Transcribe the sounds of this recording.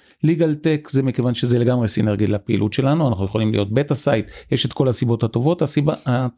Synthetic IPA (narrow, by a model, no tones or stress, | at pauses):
liɡaltekzemikevanʃezeleɡamʁesineʁɡilapeḭlʔutʃe̞lanuanaχnujeχolimlḭjo̞t̪̚betasajt̪jeʃet̪ko̞lasibo̞thato̞vo̞thasiba̰a